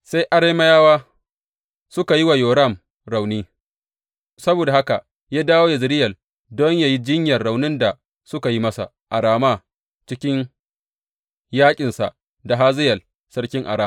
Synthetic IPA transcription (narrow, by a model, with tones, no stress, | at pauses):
sa˦jʔa˨ɽe˦ma˦jaː˦waː˦ | sʊ˦ka˨ji˦wa˨joː˨ɾɐ˦˨m | ɾa˨wniː˦ | sɐ˦boː˨da˨ha˦ka˨ʔ | jaː˦daː˦woː˦ja˨zɪ˨ɾɪ˦jɐ˨l | dɔ˦ɲja˨ji˦d͡ʒɪ˦ɲjɐ˨nːa˨wnɪ˦nda˨ | sʊ˦ka˨ji˦mɐ˦sa̰˨ | ʔa˨ɽaː˦ma˦˨ | t͡ʃɪ˦kʲɪ˦ɲ | jaː˦kʲʼɪ˨nsa̰˨ʔ | da˨ɦaː˦zɪ˦jɐ˨l | sɐ˦ɽkʲɪ˦ŋʔa̰˨ɽaː˦